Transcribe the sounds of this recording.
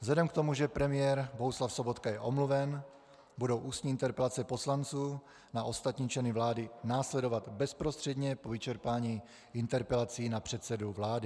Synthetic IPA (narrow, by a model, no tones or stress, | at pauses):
vzlɛdɛmkt̪omuʒɛpɾɛmɪjɛɾbo̞ɦuslafsobo̞t̪kajɛʔo̞mluvɛn | budo̞wʔuːst̪ɲiːɪnt̪ɛɾpɛlat͡sɛpo̞slant͡suː | naʔo̞st̪at̪ɲiːt͡ʃlɛnɪvlaːdɪnaːslɛdovat̪bɛspɾost̪r̥ɛdɲɛpovɪt͡ʃɛɾpaːɲiː | ɪnt̪ɛɾpɛlat͡siːnapr̝̥ɛt̪sɛduvlaːdɪ